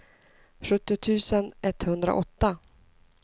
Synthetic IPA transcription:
ɧɵt̪ːɪʊt̪ʰʉ̟ːsənɛt̪ːhɵnd̪ɾa̰ʔɔt̪ːa

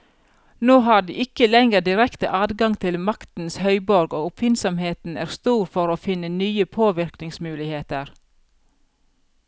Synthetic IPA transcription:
noːɦɑːɖḭːʔɪkəlɛŋəd̪ɪɾɛkt̪ə̰ʔɑːd̪ɡɑŋt̪ʰɪlmɑkt̪n̩shœʏbɔɾɡoːʊpʰfɪnsɔmheːt̪n̩æ̰ːɾst̪uːɾfɔɾoːfɪnənyːəpʰoːʋɪɾknɪŋsmʉːlɪheːt̪əɾ

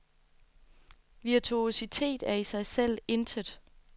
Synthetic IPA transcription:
ʋiɐt͡sʰuo̝sit͡sʰe̝̰ːd̥æɐisɑ̈ɪsel̰e̝nd̥ʰəd̥ˠ

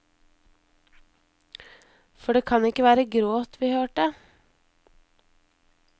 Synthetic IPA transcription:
fɔɖeːkʰɑnɪkəʋæːɾəɡɾoːt̪ʋiːhøːʈə

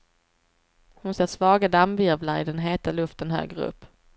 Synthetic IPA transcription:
hʊnsɛt̪svɑːɡad̪amvɪɾvlaɾɪ̰d̪ɛnɦeːt̪alɵft̪ənɦø̰ːɡɾəɵ̰pː

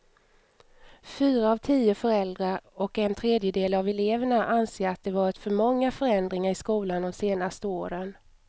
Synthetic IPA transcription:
fyːɾaːvt̪ʰiːʊfœɾɛld̪ɾaɔkɛnt̪ʰɾeːd̪jəd̪eːlavɛleːvəɳaʔanseːɾat̪̚d̪ɛvɑːɾɪt̪fœɾmɔŋːafœɾɛnd̪ɾɪŋaɾɪskuːland̪ɔmseːnast̪əoːɾən

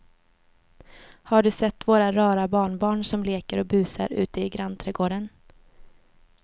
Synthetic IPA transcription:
haɖɵsɛt̪ːvoːɾaɾɑːɾabɑːɳbɑːɳsɔmleːkəɾɔbʉ̟ːsa̰ɾʉ̟̰ːt̪əɪɡɾant̪ʰɾɛɡoːɖən

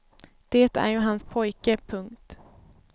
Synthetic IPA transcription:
d̪̥eːt̪æ̰ɾjɵɦanspʰɔjkəpʰɵŋkt̪

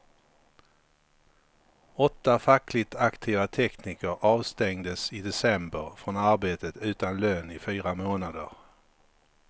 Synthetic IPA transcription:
ɔt̪ːafakʰlɪt̪ʰakt̪ʰiːvat̪ʰɛkniːkəɾɑːvst̪ɛŋd̪əsɪd̪ɛsɛmbəɾfɾɔnaɾbeːt̪ət̪ʉ̟ːt̪anløːnɪfyːɾamoːnad̪ə̰ɾ

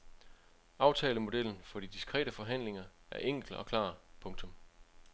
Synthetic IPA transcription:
ʔɑ̈ʊt͡sʰɛːləmo̝d̥el̰n̩fɒ̽d̥id̥isɡ̥ʁɛ̰ːd̥əfɒ̽ɦæn̰le̝ŋɐæɐʔeŋ̰ɡ̥l̩ɒ̽kʰlɑ̰̈ːpʰɔ̽ŋt͡sʰɔ̽m

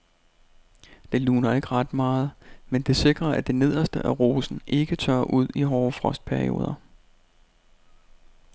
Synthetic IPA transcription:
d̥e̝luːnɐe̝ɡ̥ʁɑ̈d̥mɑ̈ːð̞̩ˠmend̥e̝se̝ɡ̥ʁɐæd̥e̝ne̝ð̞̰ˠɐsd̥əʔæʁo̝ːsn̩ʔe̝ɡ̥ət͡sʰɶɐ̰ʔuð̞̰ˠiɦɒːfʁɒ̽sd̥̚pʰæɐio̝̰ːð̞ˠɐ

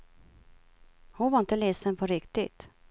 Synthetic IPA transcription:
hʊnvaɾɪnt̪əlɛːsənpʰɔɾɪkt̪ɪt̪

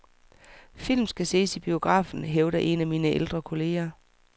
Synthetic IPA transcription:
fil̰m̩sɡ̥æse̝̰ːsib̥io̝ɡ̥ʁɑ̰̈ːfn̩ɦeʊd̥ɐʔe̝næmiːnəʔeld̥ʁɐkʰo̝le̝̰ːɐ

